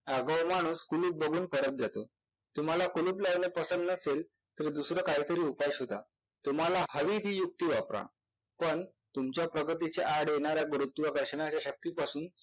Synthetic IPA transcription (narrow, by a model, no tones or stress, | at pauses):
aɡəʋmaɽ̃uːskuluːp̚bəɡʱuːnpəɾət̪̚d͡zat̪o̰ | t̪um̤alakuluːplaɡɳepəsənd̪nəsel | t̪əɾd̪usɾəːkaɦiːt̪əɾiːupajɕɦot̪a | t̪um̤alahəʋiːt̪iːjuk̚t̪iːʋapɾa̰ | pəɳ | t̪umt͡ɕjapɾəɡət̪̬it͡seʔaɽjeɳ̃aɾjaɡɾut̪ːuʋaɡəɾɕəɳat͡ɕjaɕək̚t̪iːpasuːn